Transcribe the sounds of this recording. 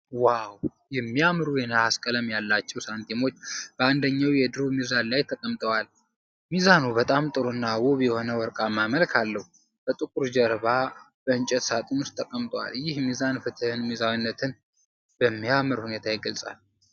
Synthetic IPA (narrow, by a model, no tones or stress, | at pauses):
waw | jɛmːiamɨɾuenaaskʼələmjalːat͡ʃːɛwsant̪ʰimo̞t͡ʃːb̥əand̪əɲːawjɛd̪ɨɾobmizanlajt̪ʰəkʼəmt̪ʼəwal | mizanubət̪ʼamt̪ʼɨɾonːawuβjɛho̞nəwɔɾkʼamaməlkʰalːəhu | b̥ət̪ʼɨkʼuɾd͡ʒəɾβa | bəɨnt͡ʃʼɛt̪sat̪ʼɨnust̪ʰʼːəkʼəmt̪ʼəwa̰ljɪhmizanfɨt̪ʰɨhɨnmizawinːət̪ʰɨn | b̥əmːiamɨɾhune̞t̪ʰajɪɡəlsʼa̰l